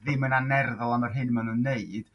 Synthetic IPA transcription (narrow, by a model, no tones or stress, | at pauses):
ðɪmənanɛrðɔlˠamarɦɨnmanunːeɨd̥